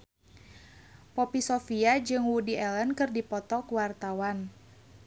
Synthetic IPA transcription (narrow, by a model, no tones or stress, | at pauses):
pɔpisofiad͡ʒɨŋwudiɛlɛnkɨrdipɔt̪ɔkwart̪awan